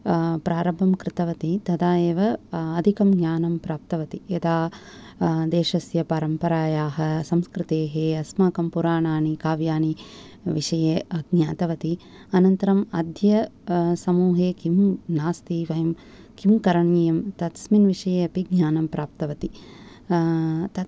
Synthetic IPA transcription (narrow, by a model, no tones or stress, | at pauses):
pɾaːɾɐbʱɐmkɾɪt̪ɐʋɐt̪it̪ɐd̪aːjeːʋɐɐd̪ʱikɐmɡɲaːnɐmpɾaːp̚t̪ɐʋɐt̪ied̪aː | d̪eːʃɐsjɐpaːɾɐmpɐɾaːjaːɦɐsɐmskɾɪt̪eːɦeːɐsmaːkɐmpuɾaːɳaːnikaːʋjaːni | ʋiʂɐjeɐɡɲaːt̪ɐʋɐt̪i | ɐnɐnt̪ɐɾɐmɐd̪ʱjɐsɐmuːɦeːkimnaːst̪iːʋɐjɐm | kimkɐɾɐɳiːjɐmt̪ɐt̪sminʋiʂɐjeːɐpiɡɲaːnɐmpɾaːp̚t̪ɐʋɐt̪i | t̪ɐ